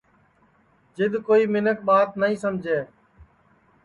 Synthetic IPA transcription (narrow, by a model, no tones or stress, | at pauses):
d͡ʒɪd̪koːiːmɪnək̚ɓaːt̪nəĩːsəmd͡ʒʱeː